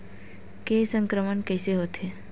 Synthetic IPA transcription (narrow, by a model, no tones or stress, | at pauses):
kesə̃ŋkɾəmənkɛːseɦoːt̪ɦeː